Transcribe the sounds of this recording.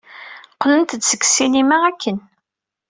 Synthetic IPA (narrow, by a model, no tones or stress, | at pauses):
qlənt̪ət͡s̪ːsə̥kːsinimæʁækːən